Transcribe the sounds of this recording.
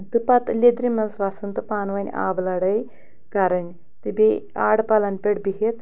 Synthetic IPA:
d̪ɨpat̪ɨlʲed̪ɾimɐnsʋaːsɨnt̪ɨpaːnʋɐnʲa̰ːblɐɽɐj | kaɾɐnʲ | t̪ɨbea̰ːɽpalɐnpʲeɽbiɦet̪

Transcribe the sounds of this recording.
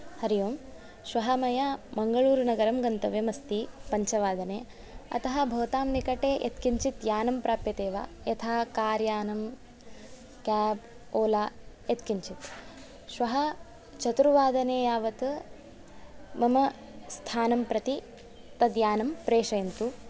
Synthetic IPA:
hɐɾijoːm | ʃʋɐɦɐmɐjɐmɐŋɡɐɭuːɾnɐɡɐɾɐmɡɐnt̪ɐʋjɐmɐst̪ipɐɲt͡ʃɐʋaːd̪ɐneː | ɐ̰t̪ɐɦɐ̆bʱoːt̪aːmnikɐʈeːʔet̪kiɲt͡ʃit̪jaːnɐmpɾaːpjɐt̪eːʋa̰ːjɐt̪ʰaːkaːɾjaːnɐm | kʲaːb | oːlaːjet̪kiɲt͡ʃit̪ | ʃʋɐɦɐ | t͡ʃɐt̪ɾuʋaːd̪ɐneːjaːʋɐt̪ | mɐmɐ | st̪ʰaːnɐmpɾɐt̪i | t̪ɐd̪jaːnɐmpɾeːʂɐjɐnt̪u

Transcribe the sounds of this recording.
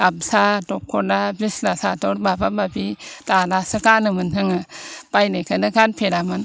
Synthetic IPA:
absadɔkʰːɔdabislasatɔɾbabababitalasɯkanɯmɯnɦɯŋapajnɯkʰanɯkanpʰeɾaman

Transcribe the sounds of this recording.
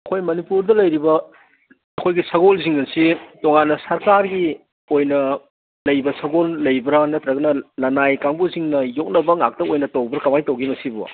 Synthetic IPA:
ɐkʰojmɐnipuɾdɐlɐjɾibɐ | ɐkʰojɡisɐɡolziŋdɐnsitoŋanːɐsɐɾkaɾɡi | ojnɐ | lɐjbɐsɐɡolːɐjbɾanɐtɾɐɡɐnɐlɐnajkaŋbuziŋnɐjok̚nɐbɐŋa̰k̚tɐojnɐtowbɐɾkɐmajtɐwɡimɐsibṵ

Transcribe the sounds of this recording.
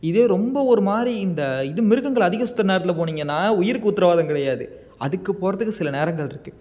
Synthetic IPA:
ɪðeːɾɔmbɐɔɾɯmaːɾiɪnd̪ɐɪðɯmɪɾɯɣɐŋɡɐɭɐðɪɣɐsʊ̥t̪ːɐɾɐneːɾɐt̪ɪlɐp̬oːniːŋɡɐnːaːʊjɪɾɯkːɯʊt̪ːɪɾɐʋaːðɐmkɪɽɐjaːðɯ | ɐðɯkːɯpoːɾɐt̪ːɯkːɯsɪlɐneːɾɐŋɡɐɭɪɾɯkːɯ

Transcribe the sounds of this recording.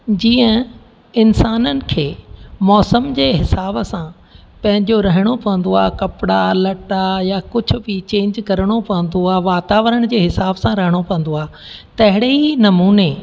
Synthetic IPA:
d͡ʑiːə̃ | ɪnsaːnənɪ̆kʰeːmɔːsəmd͡ʑeːɦɪsaːbsã | pɐ̃ɦɪ̃ɲd͡ʑoɾɐɦɪɽ̃opɐʋə̃n̆d̪oaːkɐpɪɽalɐʈajakʊd͡ʑʱʊ̆bɪt͡ɕẽːɲd͡ʑkɐɾɪɽ̃opɐʋə̃n̆d̪oaːʋaːt̪aːʋəɾəɽ̃d͡ʑeːɦɪsaːbsãɾɐɦɪɽ̃opɐʋə̃n̆d̪oaː | t̪ɐɦɪɽeɦinɐmuːne

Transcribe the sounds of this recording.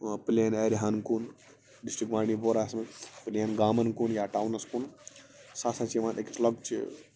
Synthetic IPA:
pilaneːɾɦankun | ɖisʈikmaːɽiːboːɾaːsmɨpilanɡaːmɐnkunjaːʈaːwnɐskun | saːsãːt͡ʃʰiʋaːnʔekslɐkt͡ʃʰḭ

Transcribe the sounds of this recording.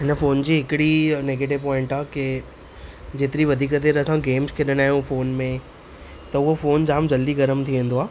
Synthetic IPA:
ɦɪnəfoːnd͡ʑiːɦɪkɪɽineːɡeːʈ̬ɪʋpɔ̃ːɪ̃ɳʈaːke | d͡ʑeːt̪ɪɾiʋɐd̪ʱiːkəd̪eːɾɐsãɡeːmskʰeɗəɽ̃aːɦijũfoːnmẽ | t̪ɐʊɦofoːnd͡ʑaːmd͡ʑɐld̪iɡɐɾəmt̪ʰiʋẽːn̆d̪oaː

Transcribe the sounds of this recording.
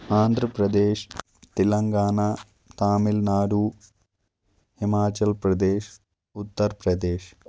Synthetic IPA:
aːnd̪ʱrɐprɐd̪eːʂ | t̪ilɐŋɡaːna | t̪aːmilnaːɾuː | himaːt͡ɕɐlpɾɐd̪eːʃ | ut̪ːɐɾpɾɐd̪eːʃ

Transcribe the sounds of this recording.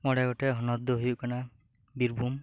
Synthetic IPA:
mɔɽaɡɔʈɛɦɔnɔd̪ɔɦujuʔkana | biɾbʱum

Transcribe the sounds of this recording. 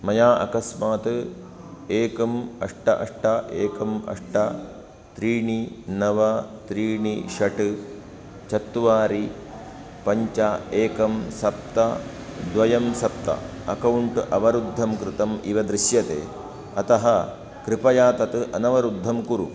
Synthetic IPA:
mɐjaːʔɐ̰kɐsmaːt̪ɨ | eːkɐmɐ̰ʂʈɐʔɐ̰ʂʈɐʔeːkɐmɐ̰ʂʈɐ | t̪ɾiːɳinɐʋɐt̪ɾiːɳiʃɐʈɨ | t͡ʃɐt̪ːʋaːɾi | pɐɲt͡ʃɐeːkɐmsɐp̚t̪ɐ | d̪ʋɐjɐmsɐp̚t̪ɐ̰ | ɐkɐwɳʈʔɐʋɐɾud̪ʱːɐmkɾɪt̪ɐmiʋɐd̪ɾɪʃjɐt̪ḛː | ɐt̪ɐɦɐ | kɾɪpɐjaːt̪ɐt̪ɨʔɐnɐʋɐɾud̪ʱːɐmkuɾṵ

